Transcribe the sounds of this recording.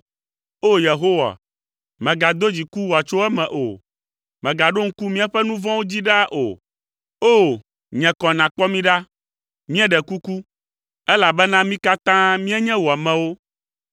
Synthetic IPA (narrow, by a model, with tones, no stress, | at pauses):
o˦je˨ɦo˦wa̰˨ | mɛ̃˨ɡa˨d̪o˦d͡ʑi˨ku˦wɔ˨a˨t͡ʃo˦ɛ˦mɛ̃˨ʔo̰˨ | mɛ̃˨ɡa˨ɖo˦ŋ̩˦ku˦mĩ˦a˨ɸɛ˦nũ˦vɔ̃˦wo˦d͡ʑi˦ɖa˦ʔo̰˨ | o˦˨ | ɲɛ̃˨kɔ̃˨nã˨k͡pɔ˦mĩ˦ɖa˦ | mĩ˦ɛ˦ɖɛ˨ku˦ku˦ | ɛ˦la˨bɛ˦nã˦mĩ˦ka˦t̪ã˦mĩ˦ɛ˦ɲɛ̃˦wo˨a˨mɛ̃˨wo˦